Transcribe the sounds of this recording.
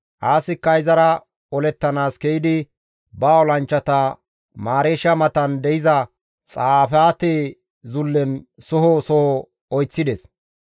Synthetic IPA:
ʔaːsɪkːɐjzɐɾɐ | ɔlɛt̪ːɐnaːskɛjɪd̪ɪ | baɔlɐnt͡ʃːɐt̪ɐ | maːɾeːʃːɐmɐt̪ɐnd̪ɛjɪzɐ | t͡sʼaːfaːt̪eː | zʊlːɛnsɔɦɔsɔhɔ | ɔjt͡sːɪd̪ɛs

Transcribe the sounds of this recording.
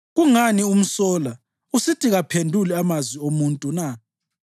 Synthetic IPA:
ɣuŋanium̩sɔːla | usitʰiɣapʰendʱulɛamazwiomuntʼuna

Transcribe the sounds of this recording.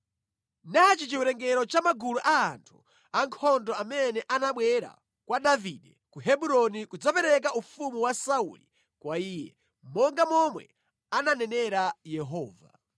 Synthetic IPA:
nat͡ʃit͡ʃiwɛɾɛŋɡɛɾɔt͡ʃamaɡuluʔaːntʰu̥ | aŋkʰɔndɔamɛnɛʔanaɓwɛɾa̰ | kwadavidɛ | kuɦɛɓuɾɔnikud͡zapɛɾɛk̬aʔufumuwasaṵlḭ | kwaiːjɛ | mɔŋɡamɔmwɛ̰ | ananɛnɛɾajɛɦɔːva̰

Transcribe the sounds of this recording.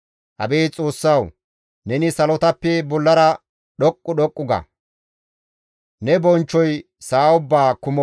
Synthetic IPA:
hɐ̰beːt͡sʼo̞ːsːɐw | nɛnɪsɐlɔt̪ɐpːɛbɔlːɐɾɐ | ɗɔkʼːʊɗɔkʼːʊɡɐ̰ | nɛbɔnt͡ʃːɔj | saːʊbːaːkʊmɔ

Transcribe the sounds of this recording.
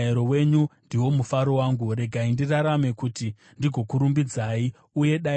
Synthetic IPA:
ɾowe̞ɲundiwo̞mufaɾo̞waːŋɡuɾe̞ɡʱaindiraɾame̞kuti | ndiɡʱo̞kuɾumbid͡zai | uje̞ɗa

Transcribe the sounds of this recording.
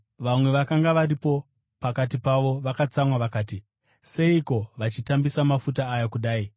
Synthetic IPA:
ʋamwe̞ʋakaŋɡaʋaɾipo̞ | pakat̬ipaʋo̞ʋakat͡samwaʋakaːti | se̞iko̞ʋat͡ʃitambisamafutaːjakuɗaːi

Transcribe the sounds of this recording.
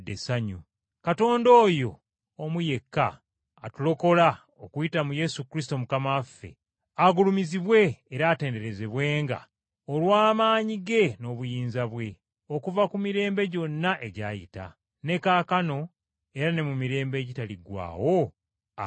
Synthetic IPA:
desaɲu | kato̞ːndo̞ːjo̞ː | muje̞kːa̰ː | tulo̞ko̞la | okujitamuje̞sukɾis̬to̞mukamafːe̞̰ | aɡulumiziβwe̞ːɾaːte̞ːnde̞ɾe̞ze̞βwe̞ːŋɡa̰ | olwaːmaːɲiɡe̞no̞ːβujiːnzaβwe̞ | o̞kuvakumiɾe̞ːmbe̞ɟo̞nːaʔe̞ɟajḭta̰ | ne̞kaːkano̞ | e̞ɾane̞mumiɾe̞ːmbe̞ːɟitaliɡwa̰ːwo̞

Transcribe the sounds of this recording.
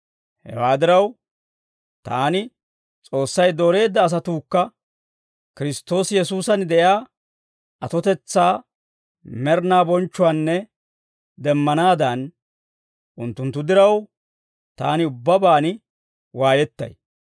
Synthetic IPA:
hɛ̰waːd̪ɪɾɐw | t̪aːnɪ | t͡sʼo̞ːsːɐjd̪oːɾe̞ːd̪ːɐːs̬ɐt̪uːkːɐ | kɪɾɪst̪o̞ːsjɛsuːsɐnd̪ɛjaː | ʔɐt̪ɔt̪ɛt͡sːaː | mɛɾnaːbɔnt͡ʃːʊanːɛ | d̪ɛmːɐnaːd̪ɐn | ʔʊnt̪ːʊnt̪ːʊd̪ɪɾɐw | t̪a̰ːnɪʊbːɐbaːnɪ | waːjɛt̪ːɐ̰j

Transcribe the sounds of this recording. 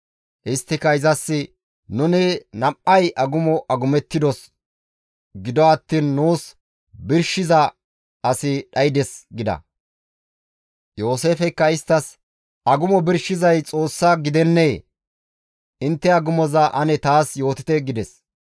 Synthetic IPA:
ʔɪst̪ːɪkːɐɪzɐsːɪ | nʊnɪnɐʔʔɐjʔɐɡʊmɔʔɐɡʊmɛt̪ːɪd̪ɔs | ɡɪd̪ɔɐt̪ːiːnːuːs | bɪɾʃɪzɐ | ɐsɪɗɐjd̪ɛsɡɪd̪ɐ̰ | jo̞ːse̞ːfɛkːɐɪst̪ːɐs | ɐɡʊmɔbɪɾʃɪzɐjt͡sʼo̞ːsːaɡɪd̪ɛnːeː | ɪnt̪ːɛɐɡʊmɔzɐʔɐnɛt̪aːsjo̞ːt̪ɪt̪ɛɡɪd̪ɛs

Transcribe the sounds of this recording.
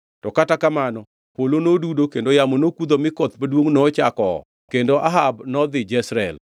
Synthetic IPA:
tɔkatakamanɔ | polonodudokendojamonokud̪omɪkɔt̪padwoŋnɔt͡ʃakɔ̰ | kendoʔaɦabnɔd̪ɪd͡ʒɛsɾɛl

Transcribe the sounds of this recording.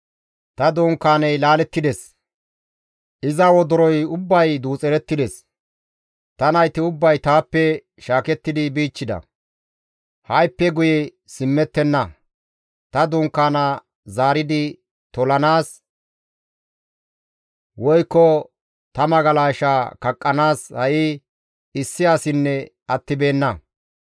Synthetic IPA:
t̪ɐd̪uːŋkːaːnɛjlaːlɛt̪ːɪd̪ɛs | ʔɪzɐwɔd̪ɔɾɔjʊbːɐjd̪uːt͡sʼɛɾɛt̪ːɪd̪ɛs | t̪ɐnɐjt̪ːɪʊbːɐjt̪aːpːɛ | ʃaːkɛt̪ːɪd̪ɪbiːt͡ʃːɪd̪ɐ̰ | hɐjpːɛɡʊjɛ | sɪmːɛt̪ːɛnːɐ | t̪ɐd̪ʊŋkːaːnɐ | zaːɾɪd̪ɪ | t̪ɔlɐnaːs | wɔjkːɔ | t̪ɐmɐɡɐlaːʃaːkɐkʼːɐnaːshɐʔɪ | ɪsːɪjaːsɪnːɛ | ɐt̪ːɪbe̞ːnːɐ

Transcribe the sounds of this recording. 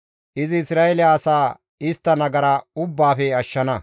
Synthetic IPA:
ʔɪzɪːsɾaːɛlɪjɐːsaː | ɪst̪ːɐnɐɡɐɾɐʊbːaːfɛɐʃːɐnɐ

